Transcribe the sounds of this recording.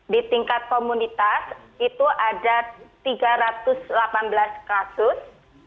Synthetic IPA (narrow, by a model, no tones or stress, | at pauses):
dit̪iŋkat̪̚komunit̪asit̪uʔadat̪iɡaɾat̪ʊslapanbəlaskasʊs